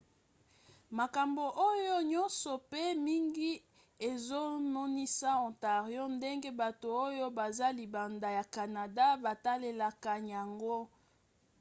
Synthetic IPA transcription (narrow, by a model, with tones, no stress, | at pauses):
ma˨ka˨mbo˨ʔo˦jo˦ɲɔ˦nsɔ˨pe˦mi˦ŋɡi˦ | e˨zo˦nɔ˦ni˦sa˦ɔ̃˨nta˨ʁjo˦nde˦ŋɡe˦ba˨to˨o˦jo˦ba˨za˦li˨ba˨nda˨ja˨ka˨na˨da˦ba˨ta˦le˨la˨ka˨ɲa˨ŋɡo˦